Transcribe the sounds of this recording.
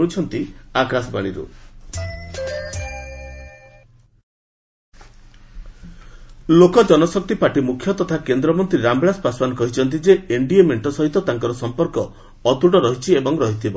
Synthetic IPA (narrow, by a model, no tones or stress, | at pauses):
ut͡ʃʰɔnt̪iakasɔba̰ɽ̃iɾṵ | lokɔd͡ʒɔnɔsɔk̚t̪ipaʈimukʰːjɔt̪ɔt̪ʰakend̪ɾɔmɔnt̪ɾiɾambɭaspasbanɔkɔɦit͡ʃʰɔnt̪̬id͡ʒeeɳɖiemeɳʈɔsɔɦit̪ɔt̪aŋkɔɾɔsɔmpɔɾkɔː | t̪uʈɔɾɔɦit͡ʃʰiebɔŋɾɔɦit̪ʰibɔ